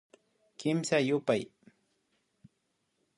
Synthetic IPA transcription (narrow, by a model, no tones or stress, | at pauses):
kɪmsajʊpaj